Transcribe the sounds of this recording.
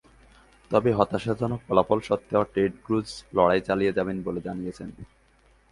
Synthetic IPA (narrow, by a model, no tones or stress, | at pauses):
t̪ɔbeɦɔt̪aʃad͡ʑɔnok̚pɔlafɔlʃɔt̪ːaoʈeɖɡɾuslɔɽajt͡ɕalijed͡ʑabenboled͡ʑanijet͡ɕʰen